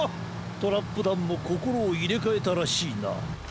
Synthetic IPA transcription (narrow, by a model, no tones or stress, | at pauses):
t̪o̞ɾapːɯd̪ãmːoko̞ko̞ɾo̞ːiɾe̞kae̞t̪aɾaɕiːna̰